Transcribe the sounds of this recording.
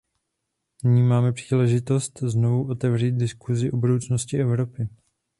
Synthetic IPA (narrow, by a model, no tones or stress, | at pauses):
nɪɲiːmaːmɛpr̝̥iːlɛʒɪt̪o̞st̪zno̞vuʔo̞t̪ɛvriːt̪̚dɪskuzɪʔobudo̞wt͡snoscɪʔɛvɾopɪ